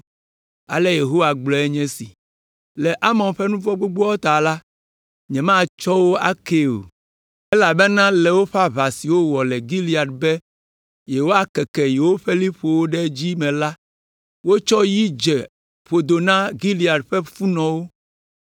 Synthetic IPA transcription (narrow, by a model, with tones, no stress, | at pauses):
a̰˨lɛ˦je˨ɦo˦wa˨ɡ͡blɔ˨ɛ˦ɲɛ̃˦si˨ | lɛ˨ʔa˦mɔ̃˨nɸɛ˦nũ˦vɔ˦ɡ͡bo˦ɡ͡bo˦ɔ˦t̪a˨la˦ | ɲɛ̃˨mã˦t͡ʃɔ˦wo˦a˦ke˦o̰˨ | ɛ˦la˨be˦nã˦lɛ˨wo˦ɸa˦βa˨si˨wo˦wɔ˨lɛ˨ɡi˦li˦a˨dbɛ˦ | je˨wo˦a˨kɛ˨kɛ˨je˨wo˦ɸe˦li˦ɸo˨wo˦ɖɛ˦d͡ʑi˦mɛ̃˨la˦ | wo˦t͡ʃɔ˦ji˦d͡ʒɛ˨ | ɸo˨d̪o˨nã˦ɡi˦li˨a˨ɖɸɛ˦fu˦nɔ̃˨wo˦